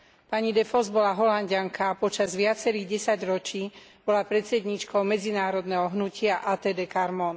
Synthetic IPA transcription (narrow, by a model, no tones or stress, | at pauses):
paɲid̪ɛfɔzbɔlaɦɔlanɟaŋkapɔt͡ʃazʋɪat͡sɛɾiːɣɟɛsaɟɾɔt͡ʃiːb̥ɔlapɾɛt̪t͡sɛd̪ɲiːt͡ʃkɔʊmɛd͡zinaːɾɔd̪nɛɦɔɦnucʰɪaʔaːt̪ɛːd̪ɛːkaɾmɔn